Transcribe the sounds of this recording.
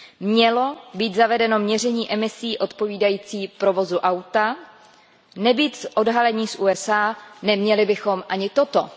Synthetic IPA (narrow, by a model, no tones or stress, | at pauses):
mɲɛlo̞biːt̪zavɛdɛno̞mɲɛr̝ɛɲiːʔɛmɪsiːʔo̞t̪po̞viːdajiːt͡siːpɾo̞vo̞zuʔawt̪a | nɛbiːt̪sʔo̞dɦalɛɲiːsʔuːɛsaːnɛmɲɛlɪbɪxo̞mʔaɲɪt̪o̞t̪o̞̰